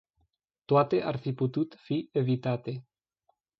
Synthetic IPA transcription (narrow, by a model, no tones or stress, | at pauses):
t̪wat̪eʔaɾfiput̪ut̪fievit̪at̪e